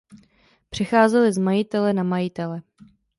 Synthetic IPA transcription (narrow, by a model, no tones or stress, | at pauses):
pr̝̥ɪxaːzɛlɪzmajɪt̪ɛlɛnamajɪt̪ɛlɛ